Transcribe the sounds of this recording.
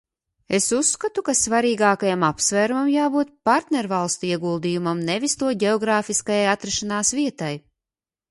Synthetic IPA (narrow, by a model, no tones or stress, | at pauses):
esusːkat̪ukasvaɾiːɡaːkajamapsvæːɾumamjaːbuːt̪̚paɾt̪nʲeɾvalˠst̪uiɛɡuːlˠd̪ijumamnevʲist̪uɔɟeɔɡɾaːfiskajajat̪ɾɛʃanaːsviɛt̪aj